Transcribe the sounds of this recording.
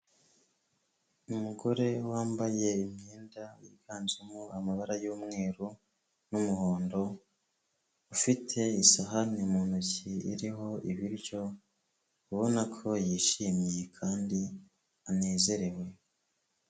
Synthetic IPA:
umuɡo̞ɾe̞waːmbaje̞imɲeːndawḭɡ̥aːnzemuamaβaɾajuːmŋe̞ːɾu | numuhoːndo̞ | ufitʰe̞isaɦanimuːnuciḭɾiɦo̞iβiɾɟo̞ | uβo̞nakʰo̞jiʃimjekʰaːndi | ane̞ːze̞ɾe̞we̞

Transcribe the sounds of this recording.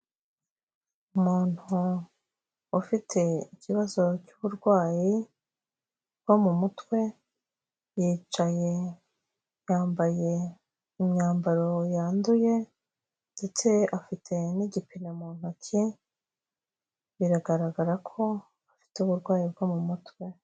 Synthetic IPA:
umuːn̥hu | ufitʰe̞icʰiβazo̞cuβuɾɡwaːji | bwamumutwe̞ | jiːt͡ʃaje̞ | jaːmbaje̞ | imɲaːmbaɾo̞jaːnduje̞ | nde̞t͡se̞afitʰe̞niɟipinemun̥hacʰi | βiɾaɡaɾaɡaɾakʰo̞ | afi̥teuβuɾɡwaːjib̚ɡomumutwe̞

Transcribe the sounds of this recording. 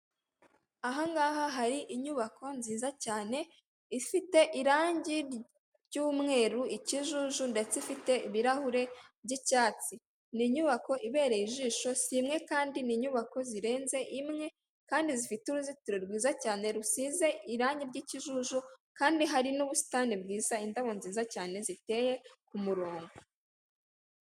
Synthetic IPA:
aɦaŋɡaːhaɦaɾiʔiɲuβako̞nziːzacaːne̞ | ifite̞ʔiɾaːɲɟi | ɾɟuːmŋe̞ːɾuiciʒuʒunde̞t͡seifite̞iβiɾahuɾe̞bɟicaːt͡si | niːɲuβako̞ʔiβe̞ːɾejiʒiːʃo̞simŋe̞kaːndiniːɲuβako̞ziɾe̞ːnze̞ʔimŋe̞ | kaːndizifituɾuzitiɾoɾɡwiːzacaːne̞ɾusize̞iɾaːɲɟiɾɟiciʒuʒukaːndiɦaɾinuβusi̥taːnibɡiːz̥aindaβo̞nziːzacaːne̞zite̞je̞kumuɾoːŋɡu

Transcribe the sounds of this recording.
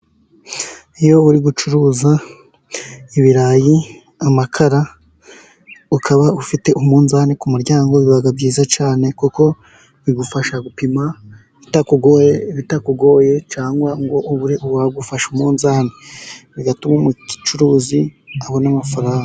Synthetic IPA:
ijoβuɾiɡut͡ʃuɾuːza | iβiɾaji | amakʰaɾa | ukʰaβaufite̞ʔumuːnzaːnekumuɾɟaːŋɡo̞βiβaɡabɟiːzat͡ʃaːne̞kuko̞ | βiɡufaʃaɡupima | itakuɡoβitakuɡo̞je̞t͡ʃaːŋɡwaŋɡo̞ʔuβuɾiʔuβaɡufaʃumuːnzaːneβiɡatumomuki̥t͡ʃuɾuːziaβo̞namafaɾaːŋɡa

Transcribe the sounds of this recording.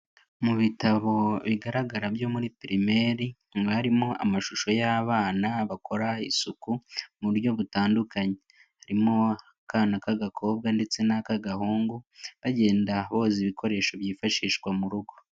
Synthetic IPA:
muβitaβo̞βiɡaɾaɡaɾabjo̞ːmuɾipiɾime̞ɾi | βaɾimo̞a̰maʃuʃo̞jaβaːnaβakʰo̞ɾaisukumuɾjo̞βutaːndukaɲe | haɾimoakaːnakaɡakʰo̞ːb̚ɡande̞t͡se̞nakaɡahuːŋɡuβaɟe̞ːndaβo̞ːziβikʰo̞ɾe̞ːʃo̞βjiːfaʃiːʃɡwamuɾuɡo̞

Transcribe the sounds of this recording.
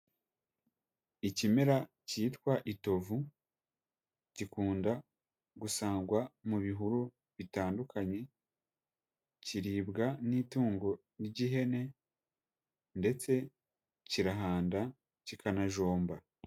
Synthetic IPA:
icimeɾa | ciːtkwaʔito̞vu | ɟikuːnda | ɡusaːŋɡwamuβiɦuɾu | βitaːndukʰaɲe̞ | ciɾiːbɡaniːtuːŋɡo̞ | niɟiɦe̞ne̞ | nde̞t͡se̞ | ciɾaɦaːnda | cikanaʒo̞ːmba

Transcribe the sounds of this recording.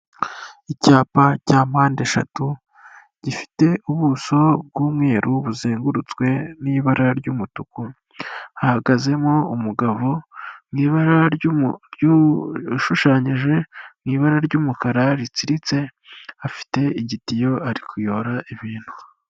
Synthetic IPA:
icaːpacaːmaːnde̞ʃa̰tu | ɟ̥ifi̥te̞ʔuβuso̞bɡuːmŋe̞ːɾʔuβuzeːŋɡuɾut͡skwe̞niːβaɾaɾɟuːmutuku | ahaɡaze̞moumuɡaβomŋiːβaɾaɾj | ʃuʃaːɲiʒe̞mŋiːβaɾaɾɟuːmukaɾaɾit͡siɾit͡se̞ | afi̥te̞iɟitijo̞aɾikujo̞ɾaʔiβiːn̥hu̥

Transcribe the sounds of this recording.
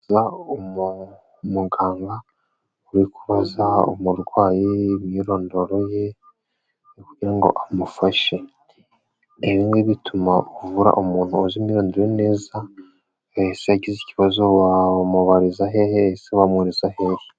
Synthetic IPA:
zaomu | muɡaːŋɡa | uɾikuβazao̰muɾɡwaːjeβjiɾo̞ːndo̞ɾo̞je̞ | kuɟiɾaŋɡo̞̰ʔamufaʃe̞ | eβiːŋɡiβitʰumaovuɾa̰ʔomuːn̥huozimiɾoːndeɾene̞ːza | eseaɟiziciβazowamuβaɾizaɦeheseβamweɾizahe̞ːhe

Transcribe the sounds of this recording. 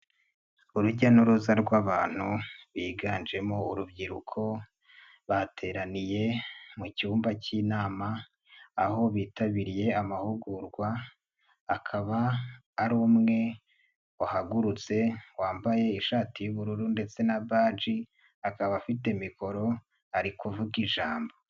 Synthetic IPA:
uɾuɟanuɾuzaɾɡwaːβaːn̥huβiːɡaːnd͡ʒe̞mo̞uɾubɟiɾukʰo̞ | βatʰe̞ːɾanije̞mucuːmbacinaːmaː | ho̞βiːtaβiɾije̞amahuɡuɾɡwaː | kʰaβaː | ɾoːmŋe̞ | ohaɡuɾut͡se̞waːmbaje̞iʃaːtijuβuɾuɾunde̞t͡se̞nabaːd͡ʒi | akaβafite̞miko̞ɾo̞ | aɾikuvuɡiʒaːmbo̞

